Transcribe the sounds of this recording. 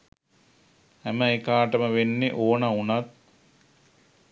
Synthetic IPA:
hæməekaːʈəməʋenːeʔoːnaunat̪̚

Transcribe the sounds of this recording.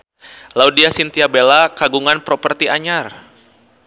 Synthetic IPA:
laudiasint̪iabelakaɡuŋanpɾɔpərt̪iaɲar

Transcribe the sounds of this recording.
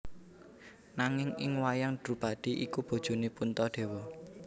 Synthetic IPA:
naŋɪŋɪ̰ŋwajaŋd̥ɾṳb̥a̤d̪̥i̤ʔḭkub̥o̤d̥ʒ̥o̤nipunt̪ɔɖ̪̥e̤wɔ

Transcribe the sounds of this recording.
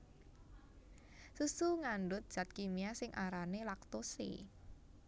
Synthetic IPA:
susuŋanɖʊt̪̚d̥ʒ̥a̤t̪̚kimiasɪŋʔaɾanelak̚t̪osḛ

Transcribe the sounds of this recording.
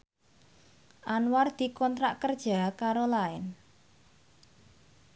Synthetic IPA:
ʔanward̪̥i̤kɔnt̪ɾaʔkərd̥ʒ̥a̤kaɾolaɪn

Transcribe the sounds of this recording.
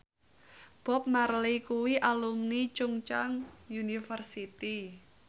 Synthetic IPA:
b̥ɔ̤p̚marlikuwiʔalumnit͡ʃuŋt͡ʃaŋjunifərsit̪i

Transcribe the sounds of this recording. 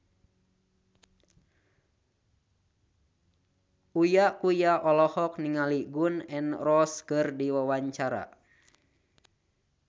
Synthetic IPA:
ujaʔkujaʔɔlɔhɔk̚niŋaliɡunɛnrɔskɨrdiwawaɲt͡ʃaɾa̰

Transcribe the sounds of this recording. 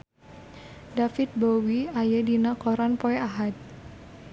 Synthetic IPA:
dafit̪̚bowiajedinakɔɾanpoɛaɦad̪̚

